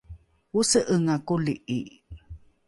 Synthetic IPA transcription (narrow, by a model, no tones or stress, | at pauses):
usəʔəŋakuliʔi